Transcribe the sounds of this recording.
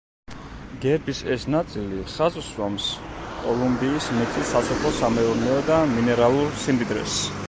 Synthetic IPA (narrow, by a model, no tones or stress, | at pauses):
ɡɛɾbisɛsnat̪sʼiliχazswamskʼɔlˠumbiːsmit̪ʰisasɔpʰɔsamɛuɾnɛɔd̪aminɛɾalˠuɾsimd̪id̪ɾɛ̰s